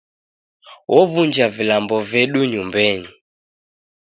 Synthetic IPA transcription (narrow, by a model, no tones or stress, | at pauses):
wʔɔβund͡ʒavilambɔvɛɗuɲumbɛɲi